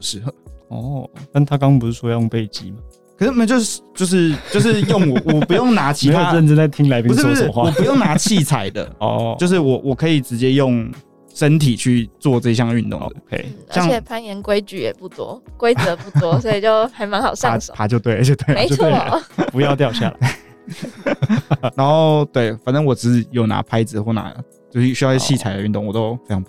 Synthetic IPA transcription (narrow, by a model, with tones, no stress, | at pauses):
ʂɻ̩˥˩xɔ̰˥˩t̪nt̪ʰa˥kɑ˥ŋ˨˩pu˧˩ʂɻ̩˥˩ʂwɔ˥jjo˥˧ŋpe˥˩ɪt͡ɕḭ˦ma˨ | kʰə˨˩ʂ̩˥˩˨mə˨˩t͡ɕjo˥˧ʊʂt͡ɕjo˥˧ʊʂ̬ɻ̩˥˧t͡ɕjo˥˧ʊʂ̬ɻ̩˥˧jo˥˩ŋwɔ˨˩wɔ˨˩pu˧˦jo˥˩ŋna˧˥t͡ɕʰii˧e˥jo˨˥ɻə˥˩nʈ͡ʂə˥˧t͡sa˥˩ɪt̪ʰi˦˥ŋla˧˥ɪpʰĩ˧˩˥ʂxwa˨wɔ˨˩pu˧˦jo˥˩ŋna˧˥t͡ɕʰi˥˩t͡sʰa˨˩ɪd̪ə̰˨ɔ̰˧o˥˧ʊʂ̬ɻ̩˥˩wɔ˨˩˦wʔɔ˨˩kʰɤ˧˥i˨˩ʈ͡ʂɻ̩˧˥t͡ɕjɛ˥jo˥˩ŋ | ʂə˦nt̪ʰi˨˩t͡ɕʰy˥˧t͡swɔ˥˧ʈ͡ʂɤ˥˧ɕ̬jɑ˥˧ŋy˥˧nt̪ʊ̰˥˨˩ŋd̪kʰḛ˦ɪ˩˦jɑ˥˧˩ŋʰɛ˨˩pʰa˥njɛ˧˦nkwe˥ɪt͡ɕy˨˩jɛ̰˨˩pu˥˩t̪wɔ̰˥kwe˥ɪt͡sə˧˦pu˥˩wɔ˦sɔ˧˥i˨˩t͡ɕo˥˩ʊxa˧˥ɪma˧˥ŋxɑ˨˩ʊsɑ˥˧ʂɔ˨pʰa˨t͡ɕjo˥˧ʊt̪we˥˨ɪ˨t͡ɕjo˥˧ʊt̪we˥˩˨me˧ɪjo˥˧ʊt̪we˥lə˨pu˧˦jɑ˥˧ʊt̪jɑ˥˧ʊɕja̰˥˨la̰˨˩ | na˧˥nxo˥˧ʊt̪we˥˩ɪfa˨˩nt͡sə˦˥ŋwɔ˨˩ʈ͡ʂɻ̩˧˥˧jo˨˩ʊna̰˧˥pʰa˥ɪd͡zɹ̩˨xwɔ˥˩na̰˧˥˦lə̰˨ | t͡ɕjo˥˧ʊʂɕy˥ɑ˥˧o˥˧˩t͡ɕʰi˥˩t͡sʰa˨˩ɪd̪ə˦y˥˧nt̪ʊ˥˨ŋwɔ˨˩t̪o˧˦ʊfe˥ɪt͡ɕʰɑ˧˥ŋpu